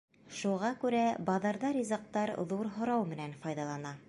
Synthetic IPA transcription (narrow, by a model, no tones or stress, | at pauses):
ʃuʁɑkʉɾæbɑðɤ̆ɾðɑɾʲizɑq̚t̪ɑɾðuɾɦŏɾɑwmɘ̆nænfɑjðɑlˠɑnɑ